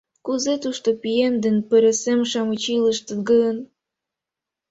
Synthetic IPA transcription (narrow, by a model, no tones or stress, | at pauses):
kuzet̪uʃt̪opiemd̪enpeɾesemʃɑmut͡ɕiləʃt̪əɡəən